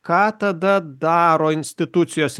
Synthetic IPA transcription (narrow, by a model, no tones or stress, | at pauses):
kɑːt̪ɐd̪ɐd̪ɑːɾoːɪnʲsʲt̪ʲɪt̪ʊt̪sʲɪjoːsʲ